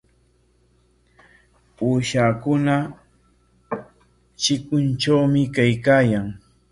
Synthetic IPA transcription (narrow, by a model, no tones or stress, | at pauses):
uːʃakʊna | t͡ʃɪkʊnt͡ʃawmɪkajkaːjaŋ